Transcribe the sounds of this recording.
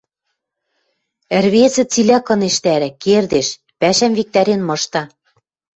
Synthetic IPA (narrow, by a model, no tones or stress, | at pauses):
ɘ̆rβezɘ̆t͡silʲækɤ̆neʃt̪æɾæ̆kerd̪eʃ | pæʃæmvik̚t̪æɾenmɤ̆ʃt̪ɑ